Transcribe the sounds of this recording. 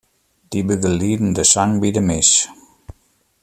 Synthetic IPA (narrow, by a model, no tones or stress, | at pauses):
d̥ibəɡəliːdn̩dəsaŋbidəmɪs